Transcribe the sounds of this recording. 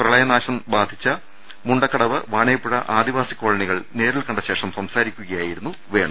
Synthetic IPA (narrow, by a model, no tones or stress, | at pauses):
prɐɭɐjɐnaːɕɐmbaːd̪ʱit͡ɕːɐ | muɳɖɐkːɐɽɐʋɨʋaːɳeːpːuɽɐ̰ʔaːd̪iʋaːsikːoːɭɐɳiɣɐɭne̞ːɾilkɐɳɖɐɕe̞ːʂɐmsɐmsaːɾikʲːuɣɐjaːjiɾunːu | ʋe̞ːɳɐmm